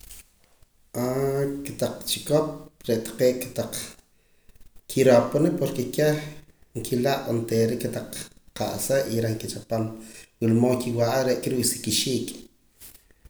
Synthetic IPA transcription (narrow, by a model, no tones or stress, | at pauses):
ʔaket̪aq͡χt͡ʃikop̚ɾeʔt̪ḁqeːʔkḁt̪aq͡χ | kʰiɾoponipoɾkekehŋkʰilaʔant̪eɾeʔkat̪aq͡χqaʔseʔiɾeŋkit͡ʃapanwilmoːŋkiwaʔaɾeʔkiɾiwsi̥kiʃiːk